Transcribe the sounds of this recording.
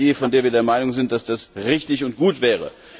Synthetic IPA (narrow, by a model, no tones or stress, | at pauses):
eːfɔndeːɐviɐdeːɐmaɪnʊŋzɪnt̚d̥asd̥asʁɪçtɪçʊnt̚ɡ̥uːtv̥ɛːʁ̞ə̰